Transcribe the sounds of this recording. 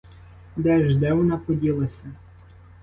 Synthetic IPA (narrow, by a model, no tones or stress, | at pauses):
d̪ɛʒd̪ɛwɔnapɔdʲilˠɐsʲɐ